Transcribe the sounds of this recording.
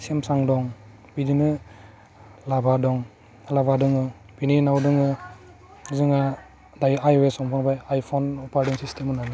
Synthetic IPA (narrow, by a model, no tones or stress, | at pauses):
semsaŋdɔŋ | bidinɯ | labadɔŋ | labadɯŋɯ | bininawdɯŋɯ | zɯŋa | dajajwesɔŋpʰaŋbajajpʰɔnɔpaɾdinsistʰemɯnana